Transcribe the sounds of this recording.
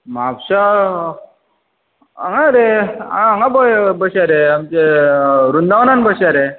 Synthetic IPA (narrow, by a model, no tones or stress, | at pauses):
mapɕa | a̰ŋɡaɾea̰ːŋɡabəbəɕaɾeamt͡ɕeɾund̪aʋnanbəɕaɾe